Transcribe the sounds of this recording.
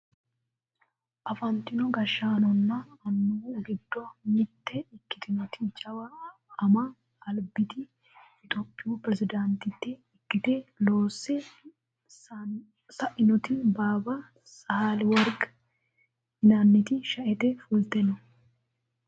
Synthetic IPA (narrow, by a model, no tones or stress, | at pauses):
ʔɐfɐnt̪ːɪnɔɡɐʃːɐːnɔnːɐːnːuɡɪd̪ːɔmɪt̪ːɛɪkːɪ̥t̪ɪnɔt̪ɪt͡ʃʼɐwɐɐmɐː | lbɪt̪ɪ | ɪt̪ʼopʼːɪupɾɛzɪd̪ɐnt̪ɪt̪ːɛɪkːɪt̪ɛloːsːɛ | sɐʔɪnɔt̪ɪbaːbɐ | sɐhalwɐɾɡ | hɪnɐnːɪt̪ɪʃɐʔɛt̪ɛfuːlt̪ɛnɔ